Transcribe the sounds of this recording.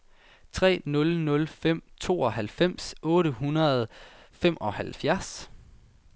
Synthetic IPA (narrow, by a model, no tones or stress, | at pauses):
t͡sʰʁɛ̰ːnɔ̽lnɔ̽lfem̰t͡sʰo̝̰ːɒ̽ɦælfem̰sɔ̽ːɾəɦunɐð̞̩ˠ | fem̰ʔɒ̽hælfjæɐs